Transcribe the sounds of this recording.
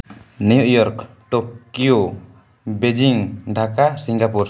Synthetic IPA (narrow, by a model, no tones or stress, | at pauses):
nujuʔjɔɾk | ʈokijo | bed͡ʒiŋɖʱakasiŋɡapuɾ